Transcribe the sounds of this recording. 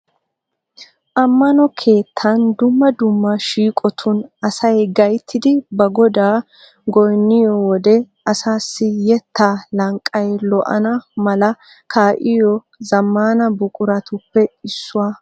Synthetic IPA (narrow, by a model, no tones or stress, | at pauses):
ʔɐmːɐnɔkʰe̞ːt̪ʰːɐnd̪ʊmːɐd̪ʊmːɐʃiːkʼɔt̪ʰʊnɐsɐjɡɐjt̪ʰːɪd̪ɪbɐɡɔd̪aː | ɡɔjnːɪjɔwɔd̪ɛ | ɐsaːsːɪjɛt̪ːaːlɐŋkʼːɐjlɔʔɐ̰nɐmɐlɐ | kʰaːʔɪjɔ | zɐmːaːnɐbʊkʼʊɾɐt̪ʊpːɛɪsːʊwaː